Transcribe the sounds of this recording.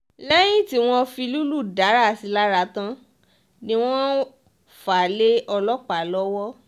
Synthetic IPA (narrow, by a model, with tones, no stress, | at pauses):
lɛ˦j̃ĩ˦ti˦w̃ɔ̃˧fi˧lu˦lu˦˨da˨˦ɾa˦˨si˨˧˦la˦ɾa˧tã˧ | nĩ˦w̃ɔ̃˦ | fa˨le˦ɔ˧lɔ˦k͡pa˨lɔ˦wɔ˦